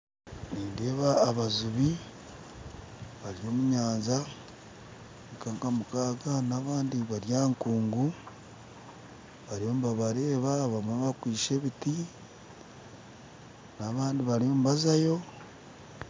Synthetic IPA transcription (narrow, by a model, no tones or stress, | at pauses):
niːndeːβaːβazuβi | βaɾijo̞ːmuɲaːnza | ŋkaːŋkamukaːɡanaːβaːndiβaɾjaːŋkuːŋɡu | βaɾio̞ːmuβaβaɾe̞ːβaβamβakwiːʃe̞βiti | naβaːndiβaɾio̞ːmuβazajo̞